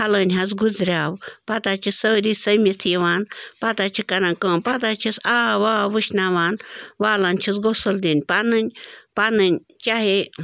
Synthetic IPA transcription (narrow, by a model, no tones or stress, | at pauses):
hɐləːnʲɦɐzɡuzɾʲaːwpɐt̪aːt͡ʃʰisəːɾiːsɐmit̪ʰjiʋaːnpɐt̪at͡ʃʰikɐɾãːnkə̃ːmpɐt̪aːt͡ʃʰisaːʋaːʋɨʃnaːʋaːnʋaːlaːnʲt͡ʃʰisɡosɐld̪inʲpanɨnʲpanɨnʲ | t͡ʃaɦe